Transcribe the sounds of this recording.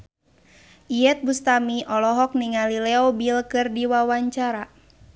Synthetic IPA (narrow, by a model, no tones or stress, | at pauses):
ʔiɛt̪̚bust̪amiʔɔlɔɦɔk̚niŋalilɛɔbilkɨrdiwawaɲt͡ʃaɾa